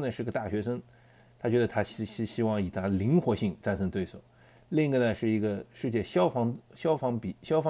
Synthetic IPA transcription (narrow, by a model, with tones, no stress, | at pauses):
nə˩ʂɻ̩˥˩i˧˥ɡə˧t̪a˥˩ɕɥɛ˧˥ʂə˥ŋ | t̪ʰa˥t͡ɕɥɛ˧˥d̪ə˧t̪ʰa˥ɕɕɕi˥wɑ˥˩ŋi˨˩t̪ʰa˥li˧˥ŋxwɔ˧˥ɕi˥˧ŋt͡sa˥˩nʂʰɤ˥ŋt̪we˥˩ɪswɔ̰˨˩˦ | li˥˩ŋi˧˥ɡə˩nə˩ʂɻ̩˥˩i˧˥ɡə˧ʂɻ̩˥˧t͡ɕjɛ˥˧ɕɑ˥fɑ˧˥ŋɕjɑ˥ʊfɑ˧˥ŋpi˨˩ɕjɑ˥ʊfɑ˧˥